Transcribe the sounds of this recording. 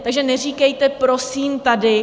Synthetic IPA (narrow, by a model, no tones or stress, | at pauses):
t̪aɡʒɛnɛriːkɛjt̪ɛpɾo̞siːmt̪adɪ